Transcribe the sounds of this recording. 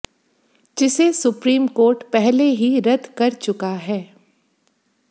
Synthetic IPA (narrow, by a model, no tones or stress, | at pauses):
d͡ʒɪsesʊpɾiːmkoːɾʈpɛɦleɦiɾɐd̪kɐɾt͡ʃʊkaɦɛː